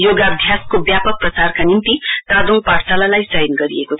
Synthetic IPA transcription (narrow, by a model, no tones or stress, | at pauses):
joɡabʱjaskobjapʌk̚prʌsarkanimt̪it̪ad̪oŋpaɽsalalajsʌjnɡʌɾiekot͡sʰ